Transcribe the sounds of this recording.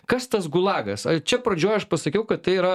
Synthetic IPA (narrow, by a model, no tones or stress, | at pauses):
kɐst̪ɐsɡʊlˠɑːɡɐsɐt͡ʃʲɛpɾɐd͡ʒʲoːjɐʃpɐsɐkʲɛʊkɐt̪t̪ɐɪiɾɐ